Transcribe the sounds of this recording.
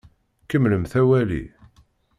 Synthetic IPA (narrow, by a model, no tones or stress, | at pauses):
kəmːləmθæwælḭ